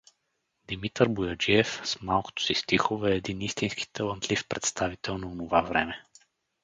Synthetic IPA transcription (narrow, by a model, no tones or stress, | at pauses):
d̪imit̪əɾbuʊjɐd͡ʒiɛfsmalˠko̥t̪o̥sist̪ixovɛːd̪inist̪inski̥t̪əlˠənt̪lifpɾɛt̪st̪avit̪ɛlˠnonovavɾɛ̰mɛ